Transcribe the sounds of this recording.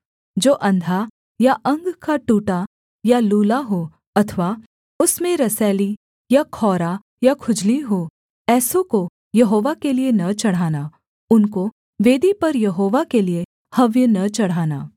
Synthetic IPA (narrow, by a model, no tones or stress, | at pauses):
d͡ʒoːʔɐ̃nd̪ʱa | jaʔɐ̃ŋɡkaʈuːʈa | jaluːlaɦoː | ɐt̪ʰʋaː | ʊsmẽɾɐsɛːli | jakʰɔːɾa | jakʰʊd͡ʒliɦoː | ɛːsõko | jɐɦoːʋakelienɐt͡ʃɐɽ̤aːnaː | ʊnko | ʋeːd̪ipɐɾjɐɦoːʋakelie | hɐʋjənɐt͡ʃɐɽ̤aːna̰ː